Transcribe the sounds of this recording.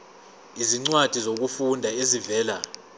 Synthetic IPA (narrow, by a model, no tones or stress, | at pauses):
iziŋ͡ǀwad̥ʱizok̬ufundʱaezivɛːla